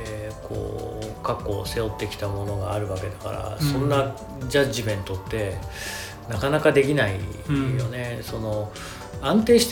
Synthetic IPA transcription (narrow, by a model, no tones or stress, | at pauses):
kʰo̞̰ːkakːo̞se̞o̞t̪ːe̞kʲi̥t̪amo̞no̞ɡaːɾɯ̟βake̞d̪aka̰ɾa̰sõ̞nːa | d͡ʑaʑibẽ̞nt̪o̞t̪ːe̞ | nakanakad̪e̞k̬ʲinaijo̞ne̞so̞no̞ | ãnt̪e̞ːɕi̥t̪